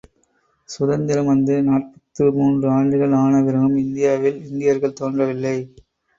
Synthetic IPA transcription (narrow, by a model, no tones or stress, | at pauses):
sʊðɐnd̪ɪlɐmʋɐnd̪ɯnaːʈ̚pɐt̪ːɯmuːndrɯaːɳɖɯɣɐɭaːnɐʋɪɾɐɣɯmɪnd̪ɪjaːʋɪlɪnd̪ɪjɐɾɣɐɭt̪oːndrɐʋɪlːɐɪ